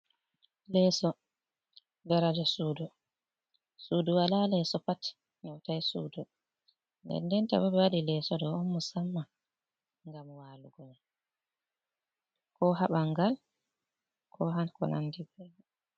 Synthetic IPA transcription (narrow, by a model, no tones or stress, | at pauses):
lɛːsɔ | daɾad͡ʒasuːdɔ | suːdɔwalalɛsɔpat | ɲɔwtajsṵːdɔ | ndɛ̰ndɛnta̰babɛwaɗilɛːsɔdɔɔnːusamːa | ŋɡamwaːluɡɔɲa | kɔɦaɓaŋɡal | kʰɔɦankɔ̰na̰ndibɛbɛ